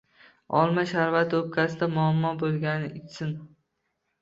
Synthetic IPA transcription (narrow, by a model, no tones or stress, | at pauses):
ɒlˠmaʃaɾvat̪op̚kʲasɪd̪amʊamːɒbolˠɡʲanɪʔɪt͡ʃsɪn